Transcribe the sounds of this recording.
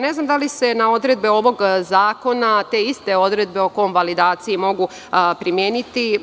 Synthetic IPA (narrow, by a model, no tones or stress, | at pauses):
ne̞znamd̪alise̞nao̞d̪ɾe̞d̪̚beo̞ʋo̞ɡzaːko̞nat̪e̞ːist̪e̞o̞d̪ɾe̞d̪be̞okojomʋalid̪aːt̪sijimo̞ɡu | pɾimjeːnit̪i